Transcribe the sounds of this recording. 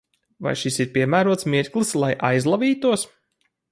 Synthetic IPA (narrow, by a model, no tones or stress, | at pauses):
va̰jʃisiɾpʲiɛmæːɾuɔt̪smiɾklˠɨslˠajʔajzlˠaviːt̪uɔs